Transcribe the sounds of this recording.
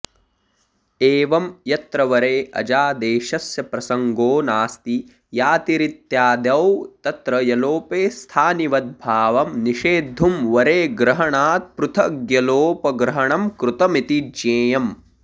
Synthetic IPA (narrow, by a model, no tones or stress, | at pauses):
eːʋɐmjɐt̪ɾɐʋɐɾeːʔɐ̰d͡ʒaːd̪eːʃɐsjɐpɾɐsɐŋɡoːnaːst̪i | jaːt̪iɾit̪jaːd̪ɐwt̪ɐt̪ɾɐjɐloːpeːst̪ʰaːniʋɐt̪̚bʱaːʋɐmniʃeːd̪ʱːumʋɐɾeːɡɾɐɦɐɳaːt̪̚pɾut̪ʰɐɡjɐloːpɐɡɾɐɦɐɳɐmkɾut̪ɐmit̪id͡ʒeːjɐm